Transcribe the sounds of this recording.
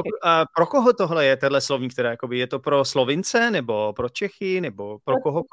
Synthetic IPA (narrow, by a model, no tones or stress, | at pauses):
pɾokoɦot̪oɦlɛjɛt̪ɛdlɛslovɲiːk̚t̪ɛɾaːjakobɪjɛt̪o̞pɾoslovɪnt͡sɛnɛbopɾot͡ʃɛxɪnɛbo̞pɾokoɦo